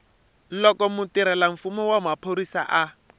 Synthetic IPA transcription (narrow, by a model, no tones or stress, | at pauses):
lɔkɔmutiɾɛlaɱ̩fumɔwamapʰoɾisa̰ʔa